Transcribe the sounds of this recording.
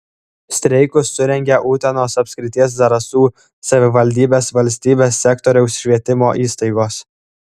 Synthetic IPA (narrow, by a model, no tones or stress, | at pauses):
sʲt̪ʲɾʲɛɪkʊsːʊɾʲɛŋʲɡʲɛʔuːt̪ʲɛnoːsɐpʲsʲkʲɾʲɪt̪ʲiɛs̬d̪ɐɾɐsuː | sɐʋʲɪʋɐlʲd̪ʲiːbʲeːsʋɐlʲsʲt̪ʲiːbʲeːsːʲɛkt̪ɔɾʲɛʊsʃʲʋʲiɛt̪ʲɪmoːʔiːst̪ɐɪɡoːs